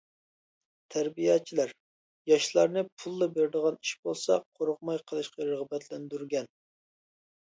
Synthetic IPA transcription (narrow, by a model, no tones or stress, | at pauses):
t̪ʰæɾbijɑːt͡ʃʰilæɾ | jɑʃlˠɑɾnɨpʰulˠːɨbeɾɪd̪əʁɑniʃbolˠsɑqʰoɾʊq̚mɑjqʰəlˠɨʃqɑɾəʁbɛt̪ʰlɛnd̪yɾɡʲɛn